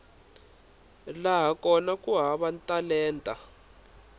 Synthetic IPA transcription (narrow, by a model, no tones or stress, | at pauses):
laɦakʼɔnakʼuɦaβantʼalɛːntʼa